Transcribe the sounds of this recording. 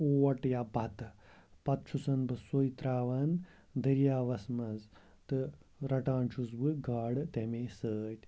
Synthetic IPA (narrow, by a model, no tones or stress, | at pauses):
oːʋɐʈjabʱɐt̪pɐt̪̚t͡ʃʰusɐnbɨsojit̪ɾaːʋɐn | d̪ʱəɾjaːʋɐsmɐz | t̪ɨɾɐʈãːnt͡ʃʰus̬bɨɡaːɽt̪emesəːtʲ